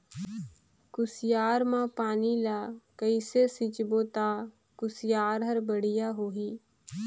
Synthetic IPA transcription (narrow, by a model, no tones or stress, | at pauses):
kʊsjaːɾmãpaːnilakəisesɪt͡ʃboːt̪aː | kʊsɪjaːɾɦɐɾbəɽ̤ɪjaɦoːɦiː